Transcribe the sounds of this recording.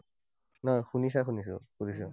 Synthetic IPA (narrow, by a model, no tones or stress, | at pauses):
nɔjxunis̬axunis̬ʊ̰kuɾis̬ɔ